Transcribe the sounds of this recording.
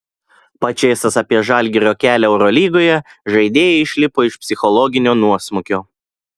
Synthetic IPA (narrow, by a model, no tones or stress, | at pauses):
pɐt͡ʃʲɛɪsɐsɐpʲiɛʒɐlʲɡʲɪɾʲoːkʲæːlʲɛɛʊɾɔlʲiːɡoːjɛʒɐɪd̪ʲeːjɛɪɪʃʲlʲɪpoːɪʃpʲsʲɪxɔlˠɔɡʲɪnʲoːnuɔsmʊkʲoː